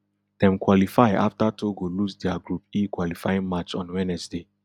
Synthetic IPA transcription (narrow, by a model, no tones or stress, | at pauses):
d̥ɛ̃mkwɔlifaɪʔa̰ftatʰoɡolusdɛaɡɹupikwɔlifajĩŋmat͡ʃɔ̃nwɛnɛsde